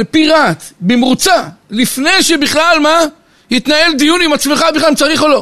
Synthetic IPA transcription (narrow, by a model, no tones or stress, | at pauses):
lepiʁat̪bemʁut͡salifne̞jʃebiχlalma | hit̪nae̞ld̪ijunimat͡smeχabiχlamt͡saʁiχolo̞